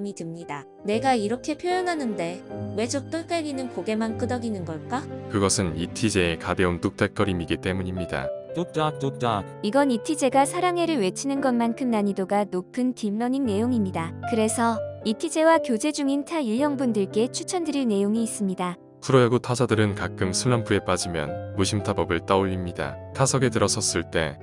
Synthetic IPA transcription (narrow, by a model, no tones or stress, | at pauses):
mitɯmɲida | ne̞ɡaiɾʌkʰe̞pʰjojʌnɦanɯnde̞we̞d͡ʑok̚t͈ɯɭk͈aɭɡinɯnkoɡe̞mank͈ɯdʌɡinɯnɡʌɭk͈akɯɡʌsʰɯnitʰid͡ʑe̞ːkade̞ontuk̚t͈ak͈ʌɾimiɡit͈e̞muɲimɲida̰ooa | iɡʌnitʰid͡ʑeɡasʰaɾaŋɦe̞ɾɯɭwe̞t͡ɕʰinɯnɡʌnmankʰɯmnaɲidoɡanopʰɯntimːʌɲiŋne̞joŋimɲidakɯɾe̞sʰʌitʰid͡ʑe̞wakjod͡ʑe̞d͡ʑuŋintʰaiɭjʌŋbundɯɭk͈e̞t͡ɕʰut͡ɕʰʌndɯɾine̞joŋiːs͈ɯmɲida | kʰuɾʌjaɡotʰasʰadɯɾɯnkak͈ɯmsʰuɭːampʰue̞p͈ad͡ʑimjʌ̰nmuɕʰimtʰabʌbɯɭt͈aoʎːimɲida̰tʰasʰʌɡe̞tɯɾʌsʰʌs͈ɯɭt͈e̞